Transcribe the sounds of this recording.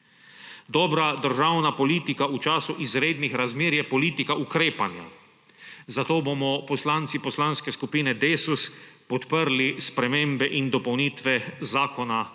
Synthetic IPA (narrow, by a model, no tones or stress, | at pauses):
d̪ɔːbɾad̪əɾʒawnapɔliːt̪ikaut͡ʃaːsuʔizɾeːd̪nixɾazmeːɾjɛpɔliːt̪ikaʔukɾeːpanja̰ | zat̪oːbomɔpɔslant̪sipɔslanskɛskupiːnɛd̪eːsuspɔt̪pəɾlispɾɛmẽːmbɛʔind̪ɔpɔwniːt̪ʋɛzaːkɔna